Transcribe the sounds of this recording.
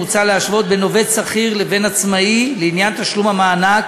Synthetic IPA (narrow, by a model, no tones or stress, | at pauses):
ut͡saleaʃvo̞t̪̚beno̞ve̞tsaχiʁleve̞nat͡smaileinjant̪aʃlumamaːna